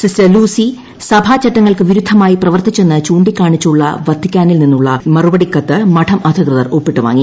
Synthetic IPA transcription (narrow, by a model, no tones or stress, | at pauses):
sisɐluːsi | sɐbʱat͡ɕɐʈːɐŋːɐɭkɨʋiɾud̪ʱɐmaːjiprɐʋɐrt̪it͡ɕːe̞nːɨt͡ɕuːɳɖikʲːaːɳit͡ɕːuɭːɐ̰ʋɐd̪ʰʱːikʲːaːnilninːuɭːɐ̰mɐrubɐɽikːɐt̪ːɨmɐʈʰɐmʔɐd̪ʱɐkrɨðɐroːpːiʈːɨʋa̰ːŋːi